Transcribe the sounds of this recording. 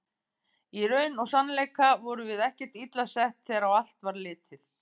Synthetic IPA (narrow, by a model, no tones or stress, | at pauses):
iɾœːɥnɔɣsanleːjkavɔɾʏvɪðɛhcɛ̥t̪it̪lasɛht̪θɛːɾaawal̥t̪vaɾlɪːt̪ɪθ